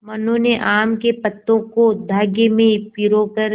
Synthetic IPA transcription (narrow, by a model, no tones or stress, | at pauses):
mɐnoneʔaːmkepɐt̪ːõkod̪ʱaːɡemẽpiɾokɐɾ